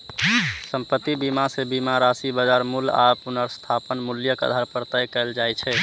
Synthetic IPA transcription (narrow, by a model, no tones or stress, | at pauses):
səmpət̪ːibimasebimaɾasibəd͡ʒaɾmula̰punəɾst̪ʰapənmuljəkə̰d̪ʱaɾpəɾt̪əjkɛld͡ʒajt͡ʃʰɛ